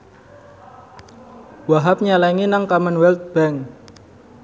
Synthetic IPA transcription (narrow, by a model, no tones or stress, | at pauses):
waɦap̚ɲalaŋinaŋkamanwɛlt̪̚b̥ɛŋ